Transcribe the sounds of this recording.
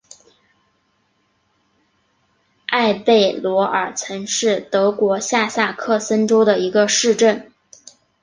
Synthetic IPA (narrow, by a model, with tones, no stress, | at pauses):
ʔa˥˧ɪpe˥˩ɪlwɔ˧˥ʔə˞˨˩t͡sʰɤ˧˥nʂɻ̩˥˩t̪ɤ˧˥kwɔ˧˥ɕja˥˧sa˥˧kʰɤ˥˩sə˥nʈ͡ʂo˥ʊd̪ə˨˩i˧˥ɡə˧ʂɻ̩˥˧ʈ͡ʂə˥˩n